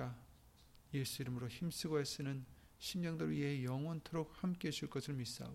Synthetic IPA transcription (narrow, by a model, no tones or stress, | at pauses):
a | jes͈ʰuiɾɯmɯɾoçimsʰiɡoes͈ɯnɯn | ɕʰimɲʌŋdɯɭɥiɦejʌŋwʌntʰoɾok̚hamk͈eɕʰiɭk͈ʌsʰɯɭmis͈a̰